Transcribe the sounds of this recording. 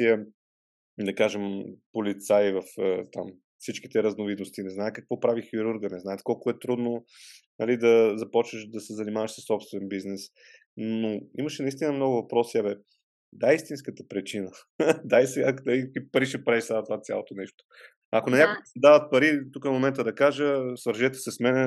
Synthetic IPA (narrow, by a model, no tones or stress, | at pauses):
iə | d̪ɐkaʒɛmpolit̪saivəfət̪am | fsit͡ʃki̥t̪ɛɾɐznovid̪nost̪inɛznaɛt̪kəkvɔpɾavixiɾuɾɡənɛzaɛt̪kɔlˠkʊɛt̪ɾud̪nonɐlid̪ɐzɐpɔt͡ʃnəʃd̪ɐsɛzɐnimavəʃsəsːɔpst̪vɛnbiznɛs | noiməʃɛnɐist̪inəmnɔɡʊvɐpɾɔsɛbɛ | d̪aist̪inskət̪ə̥pɾɛt͡ʃinə | d̪aisɛɡakd̪ɐiipɐɾiʃɛpɾaɛʃsat̪ovat̪sʲja̰lˠot̪onɛʃt̪o̥ | ɐkonɐnʲɲakoɡsɐd̪avət̪̚pɐɾit̪ukəmomɛnt̪əd̪ɐkaʒəsvəɾʒɛt̪ɛ̥sɛsmɛnɛ